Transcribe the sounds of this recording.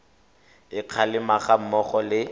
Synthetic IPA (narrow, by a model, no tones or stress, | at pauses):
ɪq͡χʰalɪmaχam̩mɔχɔlɪ